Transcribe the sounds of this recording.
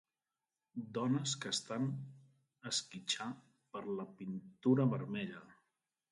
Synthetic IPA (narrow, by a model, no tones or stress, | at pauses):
d̪ɔnəskəːst̪an | əskit͡ʃa | pəɾləpint̪uɾəβəɾmɛʎə